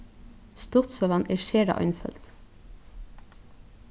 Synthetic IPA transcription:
st̪ɔt̪sɔʋɑnʔeːʃeːɖɑ̰ʔɔ̰ʏnfœ̰lt̪

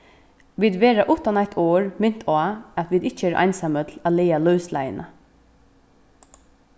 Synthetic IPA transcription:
ʋiːd̪ʋeːɹaʔʊt̪anæt̪ʰoːɹmʏn̥t̪ʰaːat̪ʋiːd̪ɪt͡ʃəeːɾʔɑ̰ɪjnsamət̪ʰl̩æleːalœʉslæ̰jə̰nʔə̰

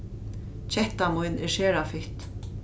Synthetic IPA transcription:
t͡ɕʰɛht̪amʊjnɛɹʃeːɾafɪht̪

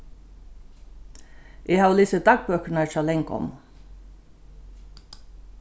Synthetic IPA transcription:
ʔeːhɑːʋlɪːsəd̪ɑɡ̚bøːkəɳəæʃɑlɛŋkɔ̰m

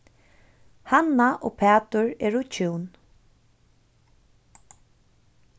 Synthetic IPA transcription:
hanaʔo̰ːpʰɛːt̪ʊɹɛːɹʊt͡ʃʰuwn

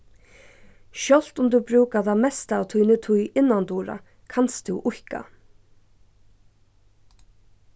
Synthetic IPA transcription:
ʃœl̥t̪ʊmd̪ubɾuːkaðamɛst̪aːwt̪ʰujnɪt̪ʰʊjɪnːant̪uːɾa̰ | kʰanst̪ʰʊwʔʊhka̰

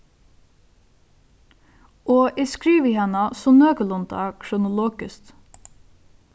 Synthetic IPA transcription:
ʔoːʔɛskɹiːʋiːhɑnɑsɔnøːɡəlʊnt̪ʰɑ̰ːkʰɾʊnʊloːɡ̥əst̪

